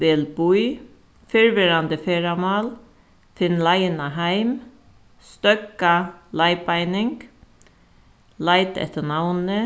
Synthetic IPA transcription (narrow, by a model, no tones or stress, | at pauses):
ʋɪlbuj | fɪɹʋɪɾand̪əfeːɹamɑːl | fɪnːlaɪnaɦæɪm | st̪œkalaɪpaɪnɪŋk | laɪt̪ɛ̰ht̪ənawnə